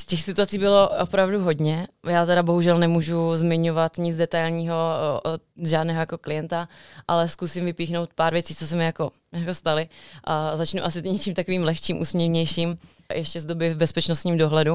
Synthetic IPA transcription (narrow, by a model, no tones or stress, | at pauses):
scɛxsɪt̪uat͡siːbɪlo̞ʔopɾavduɦo̞dɲɛjaːt̪ɛɾabo̞ɦuʒɛlnɛmuːʒuzmɪɲo̞vat̪ɲɪd͡zdɛt̪ajlɲiːɦo̞ot̪ʒaːdnɛːɦojako̞klɪjɛnt̪aʔalɛskusɪmvɪpiːxno̞wt̪̚paːɾvjɛt͡siːt͡sos̬ɛmɪjako̞ | jako̞st̪alɪʔazat͡ʃnuʔasɪɲɛt͡ʃiːmt̪akoviːmlɛxt͡ʃiːmʔṵːsmɲɛvɲɛjʃiːm | jʔɛʃcɛzdobɪvbɛspɛt͡ʃnost̪ɲiːmdoɦlɛdu